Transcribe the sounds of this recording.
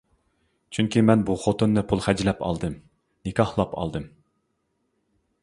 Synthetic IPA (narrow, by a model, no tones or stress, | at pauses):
t͡ʃʰyŋkʲimɛnbuχot̪unːɨpʰulˠχɛd͡ʒlɛpɑ̰lˠd̪ɨm | nɪkʲʰɑhlˠɑpʰɑ̰lˠd̪ɨm